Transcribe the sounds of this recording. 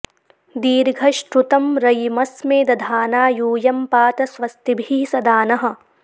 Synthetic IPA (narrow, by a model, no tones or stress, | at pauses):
d̪iːɾɡʱɐʃʈɾut̪ɐmɾɐjmɐsmeːd̪ɐd̪ʱaːnaːjuːjɐmpaːt̪ɐsʋɐst̪ibʱiːsɐd̪aːnɐɦɐ̆